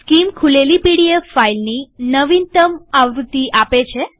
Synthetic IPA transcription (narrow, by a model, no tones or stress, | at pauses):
skimkʰulelipiɽiefːailninəʋint̪əmaʋɾut̪ːiʔapet͡ʃʰe